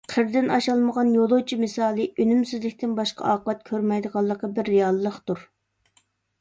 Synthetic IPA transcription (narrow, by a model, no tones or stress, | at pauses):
qʰəɾd̪ɪnɑʃɑlˠməʁɑnjolˠowt͡ʃʰimɨsɑːlˠɨʔynymsɪzlɪkʲt̪ʰɪnbɑʃqʰɑ̰ʔɑːqəlɛt̪̚kʲʰøɾmɛjd̪əʁɑlˠːəqːɑbɪɾːejɑlˠːəχt̪uɾ